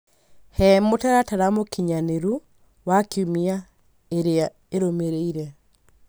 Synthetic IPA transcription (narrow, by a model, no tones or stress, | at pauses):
hɛmotaɾataɾamokiɲaneɾu | wakiumia | eɾea | eɾomeɾeiɾɛ